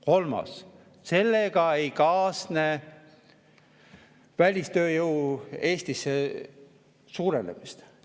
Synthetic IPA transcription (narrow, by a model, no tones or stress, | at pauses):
ko̞lmɑ̰s | se̞lːe̞ɡ̥ɑejkɑːsne | vælʲist̪ø̞ːjɤwe̞ːst̪ise | suːɾenemist̪